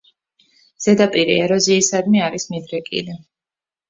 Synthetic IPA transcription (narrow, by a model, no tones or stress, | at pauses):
z̥ɛd̪apʼiɾḭɛɾɔziːsad̪miaɾismid̪ɾɛkʼḭli